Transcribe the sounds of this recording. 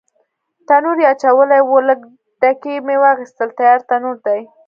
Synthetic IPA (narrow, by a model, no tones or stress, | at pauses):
t̪anuɾjeat͡ʃawəlajwolək | d̪̥akemewɑxist̪əlt̪ajɑɾt̪anuɾd̪aj